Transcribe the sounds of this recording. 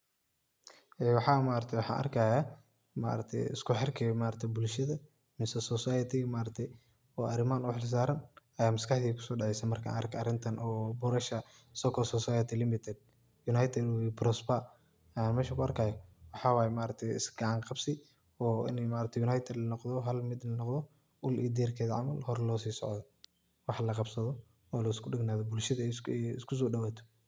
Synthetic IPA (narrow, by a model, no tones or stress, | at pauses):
ʔɛːwɑħɑːmaːɾɐt̪ʰɛjwʊħɑ̰ːnʔɐ̰rkʰaːjaː | ma̰ːɾɐt̪ʰɛ̰jɪ̰skʰʊħɛrkʰɛmaːɾɐt̪ʰɛjbʊlʃɐðɐ | mɪsɐsɔsajɐt̪ɪmaːɾɐt̪ʰɛj | ɔːʔɐɾɪmaːnɔħls̬aːɾɐnɐjaːmɐskʰɐħðiːkʰʊ̥sɔːɖɛʕɛjsɛmɐrkʰa̰ʔɐ̰ɾkʰɐɐɾɪnt̪ʰɐnʔɔːbʊɾɐʃɐ | sɔkʰɔsɔsajɛt̪ʰɪlɪmɪt̪ʰɛd̪̚ | jʊnajt̪ʰɛd̪bɾɔsba | jaːnmɛːʃɐkʰʊɐrkʰaːjɔwɑħɑːwaːjɛmaːɾɐt̪ʰɛjɪ̰sɡɐʕɑŋqɑbsɪ | ɔːɪ̰nɛmaːɾɐt̪ʰɛjunajt̪ʰɛd̪lɐnɔqðɔɦɐlmɪd̪lɐnɔqd̪ɔ | ʔʊlʔḭːd̪irkʰɛːðɐʕɑ̰mɐlhɔɾlɔːsiːsɔʕðɔ | wɑħlɐqɑbsɐðɔ | ɔːlɐɪskʊɖɪɡnaːðɔbʊlʃɐðɐɛɛɪ̰skʰʊs̬ɔːɖɐwaːt̪ʰɔ̥